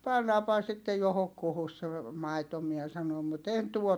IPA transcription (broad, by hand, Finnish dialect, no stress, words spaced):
pɑnːɑːmpɑhɑ sitːej johokːuhus se mɑito miɛ sɑnom mut en tuot